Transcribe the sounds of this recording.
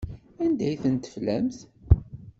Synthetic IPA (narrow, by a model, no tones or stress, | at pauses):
ænd̪æjθənt̪ə̥flæmθ